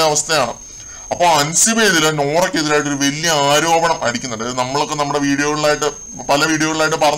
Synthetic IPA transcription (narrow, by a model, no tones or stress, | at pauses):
ɐɐʋɐst̪ʰɐjaːɳɨ̰ | ɐpːo̞ːɭɐnsibe̞ːðilno̞ːrokʲːeðiɾaːjiʈ̬ːo̞ɾuʋe̞lijɐaːɾo̞ːbɐɳɐmʔɐɽikʲːunːuɳɖɨnɐmːɐɭokːenɐmːuɽeʋiːɽijo̞ːɣɐɭɭaːjiʈːɨ | pɐlɐʋiːɽijoːɣɐɭaːjiʈ̬ːɨpɐrɐ